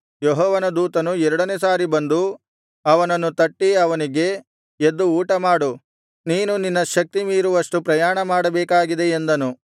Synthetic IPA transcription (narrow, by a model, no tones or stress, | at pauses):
jɔɦɔːʋɐnɐd̪uːt̪ɐnuɛɾɐɽɐneːsaːɾibɐnd̪u | ɐʋɐnɐnːut̪ɐʈːiɐʋɐniɡe̞ | ed̪ːuuːʈɐmaːɽu | niːnuninːɐʃɐk̚t̪imiːɾuʋɐʂʈupɾɐjaːɳɐmaːɽɐbɛːkaːɡid̪e̞end̪ɐnu